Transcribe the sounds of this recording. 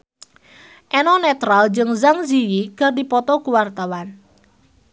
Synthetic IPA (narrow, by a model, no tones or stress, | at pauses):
ʔɛnɔnɛt̪ɾald͡ʒɨŋzaŋziwikərdipɔt̪ɔkuwart̪awan